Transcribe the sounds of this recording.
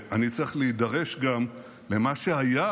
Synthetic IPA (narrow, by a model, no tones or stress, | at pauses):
ʔanit͡seχleid̪aʁe̞ʃɡamː | emaʃeaja